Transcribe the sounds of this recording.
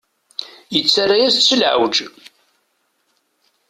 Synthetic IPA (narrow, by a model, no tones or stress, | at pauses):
jət͡sːarajæst͡sːəlʕə̰wd͡ʒ